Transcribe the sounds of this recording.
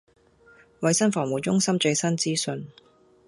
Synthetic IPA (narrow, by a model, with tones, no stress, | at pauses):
wɐ˧jsɐ˥nfɔː˨˩ŋmuː˨˩t͡ʃʊ˥ŋsɐ˥mt͡sɵ˨˧jsɐ˥nt͡siː˥sɵ˧n